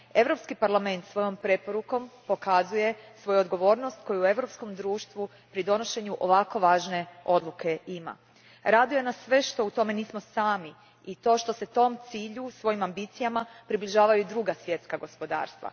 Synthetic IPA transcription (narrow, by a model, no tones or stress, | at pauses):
e̞ʋɾo̞pskipaɾlame̞nt̪sʋo̞jo̞mpɾe̞po̞ɾuko̞mpo̞kazuje̞sʋo̞juod̪ɡo̞ʋo̞ːɾno̞st̪ko̞juue̞ʋɾo̞psko̞md̪ɾuːʃt̪ʋu | pɾid̪o̞no̞ʃe̞ɲuʔo̞ʋako̞ʋaːʒne̞o̞d̪lˠukʰe̞ima̰ | ɾaːd̪iojenasʋe̞ʃt̪o̞ut̪o̞me̞niːsmo̞saːmi | it̪o̞ʃt̪o̞se̞t̪o̞mt̪siːʎusʋo̞jimambit̪sijamapɾibliʒaːʋajuid̪ɾuɡasʋje̞t̪skaɡo̞spo̞d̪a̰ːɾst̪ʋa̰